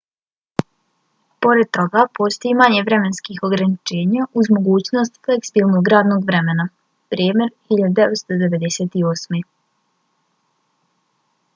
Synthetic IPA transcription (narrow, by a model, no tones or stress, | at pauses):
po̞ɾed̪̚t̪o̞ɡapo̞ːst̪ojimaɲeʋɾe̞menskixo̞ɡɾanit͡ʃe̞ːɲauzmo̞ɡuːt͡ɕno̞st̪fleksibiːlˠnoɡɾaːd̪noɡʋɾe̞mena | pɾiːme̞ɾhiʎad̪ud̪eʋet̪st̪od̪e̞ʋe̞d̪eseːt̪ioːsme